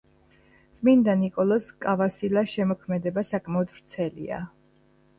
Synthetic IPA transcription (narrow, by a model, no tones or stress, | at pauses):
t̪sʼmind̪anikʼɔlˠɔskʼavasilaʃɛmɔkʰmɛd̪ɛbasakʼmɛɔd̪ɾt̪sʰɛlḭa̰